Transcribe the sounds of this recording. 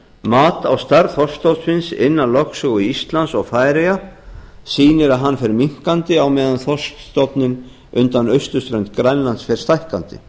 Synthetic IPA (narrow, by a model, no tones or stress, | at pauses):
maːt̪awst̪aɾθɔrst̪owt̪svɪnsɪ̰nːalɔksʏɣʏiist̪lansɔɣfaːjɾejasiːnɪɾaðɦanːfɛɾmiŋ̥kant̪ɪawmɛːðanθɔ̥st̪st̪ɔpnɪn | ʏnt̪anœɥst̪ʏst̪ɾœjnt̪kɾajnlansfɛɾ̥st̪ajhkant̪ɪ̰